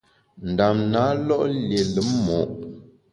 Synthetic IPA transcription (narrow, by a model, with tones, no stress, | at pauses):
n̩˨da˨mna˨˦lɔ˦ʔlje˨lə˨˦mmɔ˨ʔ